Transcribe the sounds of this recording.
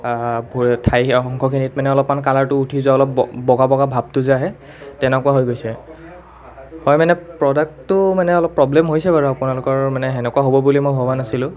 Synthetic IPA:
bʱtʰajxɔŋkʰɔkʰinitmanɛɔlɔpmankalaɹtʊutʰizaɔlɔpɔbɔɡabɔɡabʱab̚tʊzaɦɛ | tɛnɛkʊwaɦojɡojsɛ | hɔjmanɛpɹɔdak̚tːʊmanɛɔlɔpːɹɔblɛmɦojsɛbaɹuapʊnalʊkɔɹmanɛɦɛnɛkuaɦobɔbulimojbʱɔbanasilʊ̃

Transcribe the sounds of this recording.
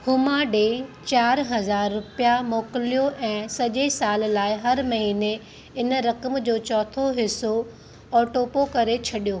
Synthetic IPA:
hʊmaɖet͡ɕaːɾɦɐzaːɾːʊpijamoːkɪlijoʔɛ̃ːsɐʄesaːllaːɪɦɐɾmɐɦiːne | ɪnɾɐkəmd͡ʑoːt͡ɕɔːt̪ʰoɦɪso | ɔːʈoːpokɐɾet͡ɕʰɐɗijoː

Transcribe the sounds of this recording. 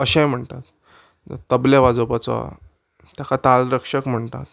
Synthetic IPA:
əɕɛ̃m̤əɳt̪at̪ | t̪əbleʋad͡zopat͡sɔ̰ | t̪jakat̪alɾəkʂəkm̤əɳt̪a̰t̪

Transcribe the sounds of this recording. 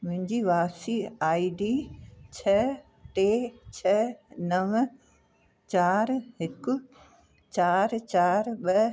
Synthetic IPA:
mʊ̃ɦɪ̃ɲd͡ʑiʋaːsiaːiɖiːt͡ɕʰɐ | ʈeːt͡ɕʰɐnɐʋ | t͡ɕaːɾɦɪkʊ̆ | t͡ɕaːɾt͡ɕaːɾɓɐ

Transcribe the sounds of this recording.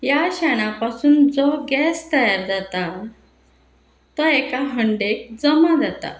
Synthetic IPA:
jaɕɛɽ̃apasuːnd͡zɔɡɛst̪əjaɾd͡zat̪a | t̪ɔɛkaɦəɳɖek̚d͡zəmad͡zat̪a̰

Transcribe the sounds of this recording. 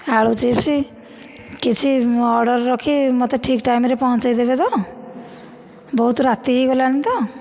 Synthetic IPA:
haɭut͡ʃipsi | kit͡ʃʰiɔɾɖɔɾːɔkʰimɔt̪eʈʰikʈajmɾepɔɦɔ̃t͡ʃajd̪ebed̪ɔ | bɔɦut̪ɾat̪iɦiɡɔlanit̪ɔ

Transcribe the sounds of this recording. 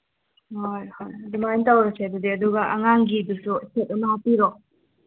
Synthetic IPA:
hojhojdimajntawɾɐseɐdudiɐduɡɐʔɐŋaŋɡidususet̚ɐmɐhapiɾo

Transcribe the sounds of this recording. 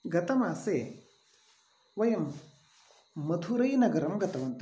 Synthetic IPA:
ɡɐt̪ɐmaːseː | ʋɐjɐm | ɐt̪ʰuɾɐjnɐɡɐɾɐmɡɐt̪ɐʋɐnt̪

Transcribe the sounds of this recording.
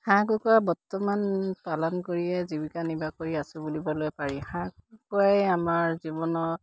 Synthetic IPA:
hãkukɔɹabɔtːɔmanpalɔnkoɹiɛzibikanibakoɹiasʊbulibɔlojpaɹihãkukuajamaɹzibɔnɔ

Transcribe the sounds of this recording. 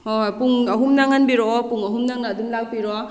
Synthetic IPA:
opuŋɐɦumnaŋhanbiɾɔpuŋɐɦumnaŋnaːdumlak̚biɾɔ

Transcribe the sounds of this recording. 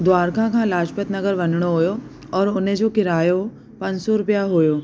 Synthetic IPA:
d̪waːɾkʰãkʰãːlaːʃpət̪nɐɡəɾʋɐnɽ̃oɦojo | ɔːɾʊnẽd͡ʑoːkɪɾaːjo | pɐ̃ɲd͡ʑsɔɾʊpijaɦʊjoː

